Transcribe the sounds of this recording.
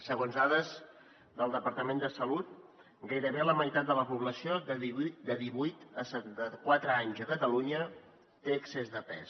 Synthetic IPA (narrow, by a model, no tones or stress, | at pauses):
səɣonzaðəz | d̪əlˠd̪əpəɾt̪əmend̪əsəlut̪̚ | ɡajɾəβeləməjt̪at̪̚d̪ələpuβləsiod̪əðid̪əðiβujt̪əsəəkwat̪ɾəaɲzəkət̪əluɲə | t̪eəksezðəpɛ̰s